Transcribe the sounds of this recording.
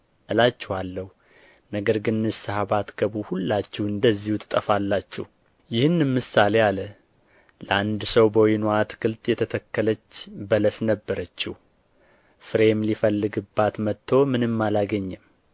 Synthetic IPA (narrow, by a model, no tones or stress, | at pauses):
ʔɨlat͡ʃːɛhalːəhu | nəɡəɾɡɨnːɨʃsɨhaβat̪ɡ̥əβuhulːat͡ʃːɛhɨnd̪əzːihut̪ʰɨ̥t̪ʼəfalːat͡ʃːɛ̰h | jɪhɨnːɨmːɨsalealə | ləʔand̪səwbəwinoat̪ʰkʰɨlt̪jɛt̪ʰət̪ʰəkːələt͡ʃːbələsnəbːəɾət͡ʃːɛh | fɨɾemlifəlːɨɡɨbːat̪mət̪ʰːo̞mɨnɨmːalaɡəɲːɛm